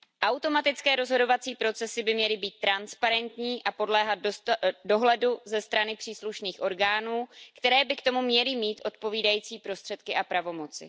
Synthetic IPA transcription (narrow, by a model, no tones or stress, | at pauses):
ʔawt̪o̞mat̪ɪt͡skɛːɾo̞zɦo̞do̞vat͡siːpɾo̞t͡sɛsɪbɪmɲɛlɪbiːt̪̚ːɾanspaɾɛnt̪ɲiːʔapo̞dlɛːɦat̪̚do̞ɦlɛduzɛst̪ɾanɪpr̥iːsluʃniːxʔo̞ɾɡaːnuːkt̪ɛɾɛːbɪkt̪o̞mumɲɛlɪmiːt̪ʔo̞t̪̚po̞viːdajiːt͡siːpɾo̞st̪r̥ɛt̪kɪʔapɾavo̞mo̞t͡sɪ̰